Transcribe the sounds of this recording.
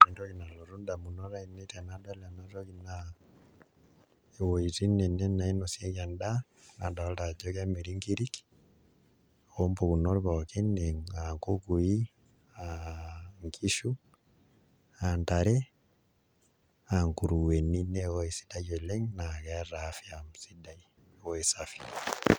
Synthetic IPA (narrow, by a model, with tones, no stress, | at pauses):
indɔ˦ɣi˨na˨lo˨ɾu˦nda˨mu˨nɔ˦ɾa˦ine˦ta˨na˦da˦la˨na˦tɔ˦ɣina | e˨wo˨iti˦nɛ˨nɛ˦na˨i˦no˨sja˦ɣa˨nda | na˨da˨˦lda˨d͡ʒɔ˦ɣameɾi˦ŋki˦ɾik | ompo˨ɣu˨nɔ˦ɾβake˦neŋaŋkoku˨i˦ | a | ŋkʰi˦ʃu˦ | antaɾɛ | aŋku˨ɾuwɛ˨ninɛwɔe˨si̥da˦jɛ˨lɛ˦ŋnaɣɛɾafjamsidai | wɔe˨safi̥